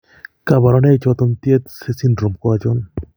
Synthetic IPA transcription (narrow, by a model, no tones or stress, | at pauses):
kabaɾɔnet͡ʃɔt̪ɔnt̪iet̪sesinɾomkɔad͡ʒɔn